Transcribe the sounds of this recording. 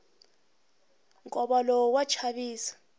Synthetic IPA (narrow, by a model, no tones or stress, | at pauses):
ŋkʼɔɓalɔwat͡ʃʰaɓiːsḁ